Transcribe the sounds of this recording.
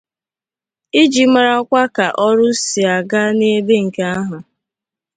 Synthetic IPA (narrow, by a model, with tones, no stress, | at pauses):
i˦d͡ʒi˨ma˨ɾa˦ɔ˦kʷa˦ka˨ʔɔ˦ɾʊ˦si˨a˨ɡa˦ne˦be˦ŋ̩˨ke˦a˦ɦʊ˨